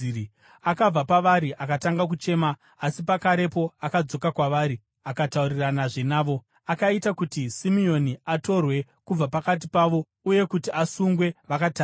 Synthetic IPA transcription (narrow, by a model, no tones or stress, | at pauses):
akab͡vapaʋaɾiʔakataŋɡak̬ut͡ʃe̞ːmaː | sipakaɾe̞po̞akad͡zo̞kakwaʋaːɾi | akatauriranaʐe̞naːʋo̞ | akaitakutisimio̞niato̞rwe̞kub͡vapakat̬ipaʋo̞ | uje̞kutiasuŋɡwe̞ʋakataː